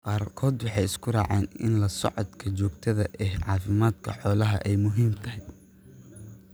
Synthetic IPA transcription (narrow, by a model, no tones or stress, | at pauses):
qɑːrkʰɔːd̪wɑħɑjɪskʰʊɾɑ̰ːʕɛ̰ːnɪ̰nlɐsɔ̰ʕɔd̪kʰɐt͡ʃɔːɡt̪ʰɐðɐʔɛhʕɑːfɪmaːd̪kʰɐ̰ħɔːlɐɦɐ̰ʔɛjmʊɦiːmt̪ʰɐɦɪ